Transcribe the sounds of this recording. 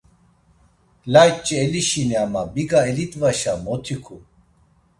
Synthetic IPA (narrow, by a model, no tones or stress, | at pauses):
laːjt͡ɕːieliɕiniamabiɡaelit̪vaɕamot̪ʰikʰu